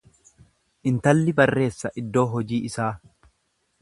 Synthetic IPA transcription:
ʔɪnt̪ɐlːɪbɐrːe̞ːsːɐʔɪd̪ːo̞ːɦɔd͡ʒiːɪsaː

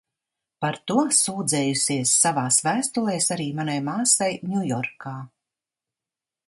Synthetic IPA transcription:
paɾt̪uɔsuːd̪zɛːjusʲiɛsːavaːsvæːst̪ulˠɛjsaɾiːmanajmaːsajnʲujɔɾkaː

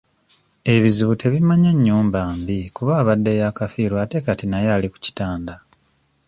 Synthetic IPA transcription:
e̞βiziβutʰe̞βimaɲaɲːuːmbaːmbikuβaːβadːejakafiːɾwate̞katinajaːliku̥ci̥taːnda

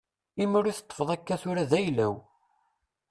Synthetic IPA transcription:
imʊɾiθət̪ˤːə̥fəðˤækːæθʊɾæðæjlæw

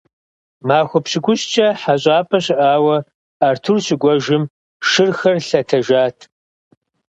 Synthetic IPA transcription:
maːxʷʊpɕɪɡʷʊɕt͡ʃʼɐħaɕʼaːpʰʼɐɕɪʔaːwɐ | aːrtʰʊrɕɪɡʷɔʒɪm | ʃɨrxɐrɬɐtʰɐʒaːtʰ

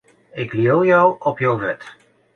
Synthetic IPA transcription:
ɪkliolˠjɔwɔpjɔwvɛt

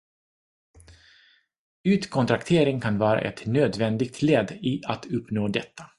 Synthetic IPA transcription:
ʉːt̪kʰɔnt̪ɾakt̪ʰeːɾɪŋkʰanvɑːɾa̰ʔɛt̪nøːd̪vɛnd̪ɪɡ̚t̪ʰleːd̪ɪat̪ɵpːnoːd̪ɛt̪ʰːa

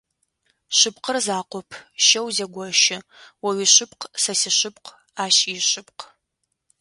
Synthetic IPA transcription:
ɕɨpqʰərzaːqʷɔpʰʃɐwzɐɡʷɔʃɪwɐɥiɕɪpqsɐsɪɕɪp̚q | aːʃiɕɨpq

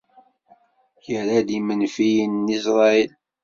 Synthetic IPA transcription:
çəɾad̪imənfijənːisɾˤɑil

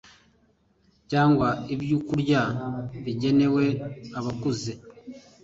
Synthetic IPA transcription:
caːŋɡwaibjukuɾɟaβiɟe̞ne̞we̞aβakuze

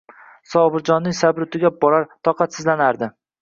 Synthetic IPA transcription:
sɒbɪɾd͡ʒɒnːɪŋsabɾʊt̪ʰɪɡʲabɒɾaɾt̪ʰɒqʰɑt̪sɪzlanaɾd̪ɪ

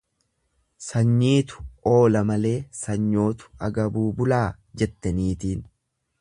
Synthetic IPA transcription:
sɐɲːiːt̪ʊ̥ʔo̞ːlɐmɐle̞ːsɐɲːo̞ːt̪ʊ̥ɐɡɐbuːbʊlaː | d͡ʒɛt̪ːɐniːt̪iːn

